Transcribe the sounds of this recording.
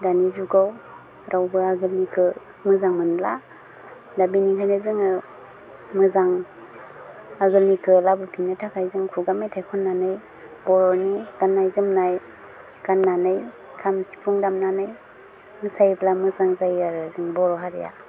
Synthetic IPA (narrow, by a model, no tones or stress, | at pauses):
danizuɡaw | ɾʔawbɯaɡɯlnikʰɯ | mɯzaŋmɯnla | dabinikʰajnazɯŋɯ | mɯzaŋ | aɡɯlnikʰɯlabɯpʰinnɯtʰakʰajzɯŋkʰuɡamejtʰajkʰɔnːanɯj | bɔɾɔniɡ̥anːajzɯmnaj | ɡ̥anːanɯj | kʰamsi̥pʰuŋdamnanɯj | mɯsajblamɯzaŋzajaɾɯzɯŋbɔɾɔɦaɾja̰